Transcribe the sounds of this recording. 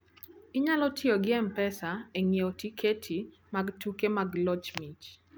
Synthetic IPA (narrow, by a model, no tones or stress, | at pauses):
ɪɲalɔtʰɪoɡɪɛmpɛsaeŋiotikʰetʰi | maɡtukemaɡlɔt͡ʃmit͡ʃ